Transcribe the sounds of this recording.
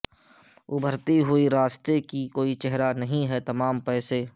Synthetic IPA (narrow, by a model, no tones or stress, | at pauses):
ʊbʱəɾt̪iɦʊiɾaːst̪ekikoːit͡ʃɛɦɾanɐɦĩɦɛt̪ɐmaːmpɛːse